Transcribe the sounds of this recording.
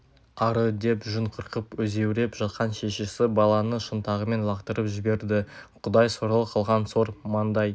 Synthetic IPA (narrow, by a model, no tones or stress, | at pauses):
ɑɾəd̪e̞pʒʊɴqʰəɾqəpwɵze̞wɾe̞pʒ̥ɑt̪̚qɑnʃe̞ʃesɪbɑlˠɑnəʃənt̪ɑʁəme̞nlˠɑqt̪əɾəpʒɪbe̞ɾd̪ɪqʰʊd̪ɑjsoɾɑlˠəqʰəlˠʁɑnso̞ɾmɑnd̪ɑj